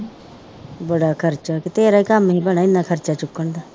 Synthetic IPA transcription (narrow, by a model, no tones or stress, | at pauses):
bəɽaːkʰəɾt͡ʃaːkit̪eːɾaːikəmɦiːbəɽ̃aːɪnːaːkʰəɾt͡ʃaːt͡ʃʊkːəɳd̪aː